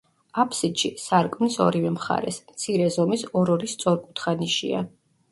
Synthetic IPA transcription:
apʰsit̪ʃisaɾkʼmnisɔ̰ɾivɛmχa̰ɾɛ̰smt̪sʰiɾɛzɔmisɔɾɔɾist̪sʼɔɾkʼu̥t̪ʰχaniʃḭa̰

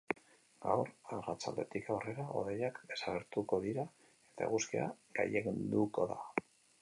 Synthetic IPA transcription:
ɡawɾarat͡sald̪e̞t̪ikawre̞ɾao̞̰ðejakd̪e̞saɣeɾt̪uko̞ðiɾa | e̞t̪aḛɣuskeaɡa̰jeɣind̪uko̞ða̰

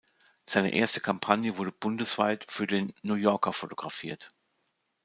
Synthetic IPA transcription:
z̥aɪnə̰ʔḛːɐstə̥kʰampʰanjəvʊɐdəbʊndəsv̥aɪtfyːɐdeːnːuːjɔɐkɐfotoɡ̥ʁafiːɐt

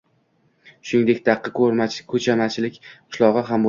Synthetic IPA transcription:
ʃʊnɪŋd̪e̞kʲt̪ʰɑqːɨkʰɵɾmakʰɵt͡ʃʰamat͡ʃʰɪlɪkʲqʰʊ̥ʃlˠɒʁɨɦambo

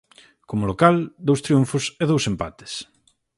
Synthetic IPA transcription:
komʊlokald̪owst̪ɾiuɱfʊseð̞owsempat̪e̥s

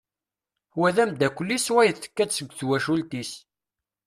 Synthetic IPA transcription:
wæðæmd̪ækʷəlːiswæjəθə̥kːæsəɡʷːθwæʃult̪is

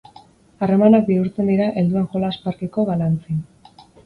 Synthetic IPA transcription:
are̞manak̚biuɾt͡se̞nd̪iɾaʔe̞ld̪uaŋxo̞laːspaɾkeko̞βalant͡sin

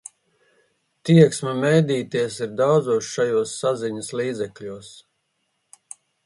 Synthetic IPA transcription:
t̪iɛksmɐmɛjd̪iːt̪iɛs̬iɾd̪awd̪zuɔsʃajuɔsːaziɲəsliːd̪zɛkʎuɔs

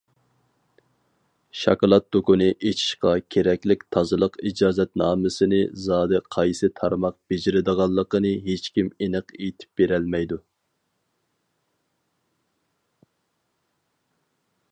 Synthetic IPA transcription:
ʃɑ̰kɑlˠɑt̪̚d̪okʊnɨʔet͡ʃʰi̥ʃqɑkʲʰeɾɛkʲlɪk̚ʲt̪ʰɑzɨlˠəqid͡ʒɑːzɛt̪̚nɑːmɨsɨnɨzɑːd̪ɨqʰɑjsɨt̪ʰɑɾmɑq̚b̥ed͡ʒɪɾɪd̪əʁɑlˠːəqənɨɦet͡ʃkʲimenɨqet̪ʰɪ̥p̚beɾɛlmɛjd̪u

